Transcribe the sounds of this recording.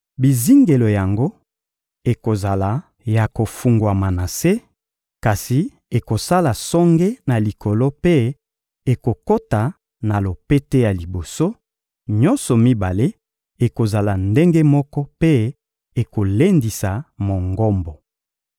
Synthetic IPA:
bi˨zi˦ŋɡe˨lo˨ja˨ŋɡo˦ | e˨ko˨za˨la˨ | ja˨ko˨fu˨ŋɡwa˨ma˨na˨se˦ | ka˨si˨ | e˨ko˨sa˦la˨sɔ˦ŋɡe˦na˨li˨kʰo˨lo˦pe˦ | e˨ko˨ko˦ta˨ | na˨lo˨pe˦te˦ja˨li˨bo˨so˦ | ɲɔ̃˦nsɔ˨mi˦ba˨le˦ | e˨ko˨za˨la˨nde˦ŋɡe˦mɔ˦kɔ˦pe˦ | e˨ko˨le˦ndi˨sa˨mo˨ŋɡɔ˦mbɔ˨

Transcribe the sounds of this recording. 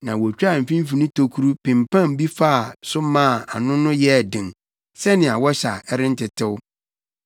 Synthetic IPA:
nã˨wɔ˨t͡ɕᶣa˦˨m̩˨fĩ˦m̩˦fi˨nĩ˦tʰo˨kʰu˦ɾu˦pɪ̃˨mpã˦m˨˦bi˦fa˦a˨sʊ˦mã˦˨a̰˨nʊ̃˦nʊ̃˦jɛ˦˨dɪ̃˨ŋ | sɛ˦nɪ̃˨a˨wɔ˦ɕa˨ɛ˦ɾɪ̃˦n̩˦tɪ˨tʰɪ˦wʊ˦

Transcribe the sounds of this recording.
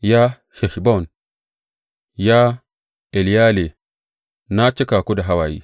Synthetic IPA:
ja˦ | ʃe˨ʃbo˦˨n | ja˦ | e˨li˨ja˦le˨ | na˦t͡ʃːe˦ka˨ku˦da˨ɦa˦wa˨jḭ˨

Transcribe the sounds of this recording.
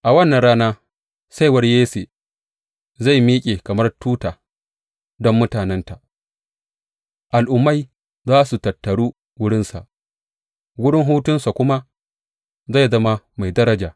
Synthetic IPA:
ʔa˨wɐ˦nːɐ˨ɽaː˦naː˦ | sa˦jwɐ˦rjeː˦se˨ | za˦˨jmiː˦kʲʼeː˨kɐ˨mɐ˦rtuː˦taː˨ | dɔ˦mːʊ˦taː˨nɛ˦nta˨ʔ | ʔa˨lʔʊ˨mːa˦˨j | zaː˦su˨tɐ˨tːɐ˨ɽuː˦ | wʊ˦ɽɪ˦nsa̰˨ʔ | wʊ˦ɽɪ˦ŋɦuː˦tʊ˦nsa˨kʷʊ˦ma˦ | za˦˨zɐ˦ma˦ | ma˨jdɐ˦ɾɐ˦d͡ʒaː˨

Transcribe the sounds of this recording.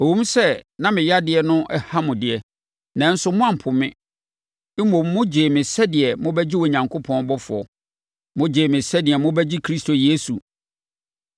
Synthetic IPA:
o˨wũ˦m̩˦sɛ˦nã˦mɪ̃˨ja˦dɪ˨ɛ˨nʊ̃˦ʔɛ˦ha˦mʊ̃˨dɪ˨ɛ˨ | nã˨n̩˦sʊ˦mʊ̃˦ã˨m̩˨pʰʊ˨mɪ̃˦ | mõ˨mː˦ʊ̃˦d͡ʑeː˨mɪ̃˨sɛ˦dɪ˨ɛ˨mʊ̃˦bɛ˦d͡ʑi˦wɔ˨ɲã˨ŋkʰo˦pʰɔ̃˦n˦bɔ˦fʊ˨ɔ̰˨ | mʊ̃˦d͡ʑeː˨mɪ̃˨sɛ˦dɪ˨ɛ˨mʊ̃˦bɛ˦d͡ʑi˦kʰɾi˦stʰo˨jeː˦su˨

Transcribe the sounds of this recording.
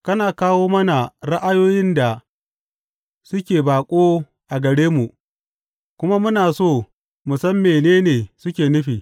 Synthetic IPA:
kɐ˦naː˨kaː˦woː˦mɐ˦na˨ɽa˦ʔa˦joː˦jɪ˦nda˨ | sʊ˦kʲeː˨baː˨kʷʼoː˦ | ʔa˨ɡɐ˨ɽeː˦mu˨ | kʷʊ˦ma˦mʊ˦naː˨soː˦˨ | mʊ˨sɐ˦mːeː˨neː˦neː˨sʊ˦kʲeː˨nʊ˦ɸiː˨

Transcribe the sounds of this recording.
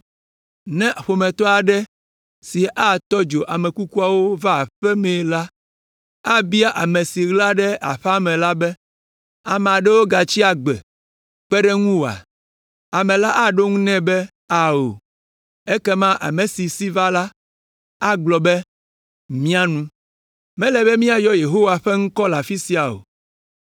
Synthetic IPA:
nɛ̃˦ʔɸo˨mɛ̃˨t̪ɔ˦a˨ɖɛ˦ | si˨ʔa˦t̪ɔ˦d͡ʒo˨ʔa˨mɛ̃˨ku˦ku˦a˨wo˦va˦˨ɸɛ˦mɛ̃˨la˦ | a˦bi˦a˦ʔa˨mẽ˨si˨ɣla˦ɖɛ˦ʔa̰˨ɸɛ˦a˦mɛ̃˨la˦bɛ˦ | a˨mɛ̃˨a˨ɖɛ˦wo˦ɡa˨t͡ɕi˦a˨ɡ͡bɛ̰˨ | k͡pɛ˦ɖɛ˦ŋũ˦wo˨a̰˨ | a˨mɛ̃˨la˦ʔa˦ɖo˦ŋũ˦nɛ̃˦bɛ˦ | a˨o̰˨ | e˦kɛ˦mã˦ʔa̰˨me˨si˨si˦va˦la˦ | a˦ɡ͡blɔ˨bɛ˦ | mĩ˦a˦nũ˦ | mɛ̃˦lɛ˨bɛ˦mĩ˦a˨jɔ˦je˨ɦo˦wa˨ɸɛ˦ŋ̩̃˦kɔ˦la˨fi˦si˨˦a˨o̰˨

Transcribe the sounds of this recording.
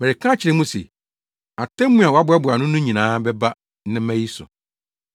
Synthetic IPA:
mɛ˨ɪ˨kʰã˦t͡ɕʰɪ˨ɾɪ̃˦mũ˦sḛ˨ | a˨tʰɛ̃˦m˦mũ˦a˨wa˦bʊ˦a˦bʊ˨a˨nʊ̃˦nũ˦ɲĩ˨nãː˨˦bɛ˦ba˦ | nɪ̃˦mæ̃˦ji˦sʊ̰˨

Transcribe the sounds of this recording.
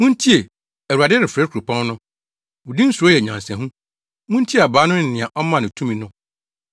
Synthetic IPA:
mũ˦n˦tʰi˦e˨ | æ˨u˨a˨dɪ˦ɾɪ˨fɾɛ˦kʰɾu˨pʰã˦n˦nʊ̃˦ | wʊ˨dĩ˦n̩˦sʊ˨ɔ˦jɛ˨ɲã˨nsɛ̃˨ɦũ˦ | mũ˦n˦tʰi˦˨a˨baː˨˦nʊ̃˦˨nɪ̃˨a˨ʔɔ˦mã˦˨nʊ̃˨tʰũ˦mĩ˨nʊ̃˦

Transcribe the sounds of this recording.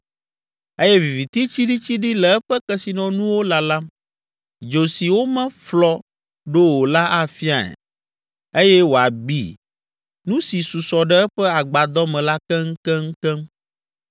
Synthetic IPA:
e˦jɛ˦vi˨vi˨t̪i˦t͡ɕi˦ɖi˦t͡ɕi˦ɖi˦lɛ˨ɛ˦ɸɛ˦kɛ˦si˨nɔ̃˨nũ˦wo˦la˨la˦ | d͡ʒo˨si˨wo˦mɛ̃˦flɔ˦ | ɖo˦wo˨la˦ʔa˦fi˦a̰˨ɛ̰˨ | e˦jɛ˦wo˨a˨bḭ˦ | nũ˦si˨su˨sɔ˨ɖɛ˦ɛ˦ɸɛ˦a˨ɡ͡ba˨d̪ɔ˦mɛ̃˨la˦kɛ˦ŋ̩˦kɛ˦ŋ̩˦kɛ˦m

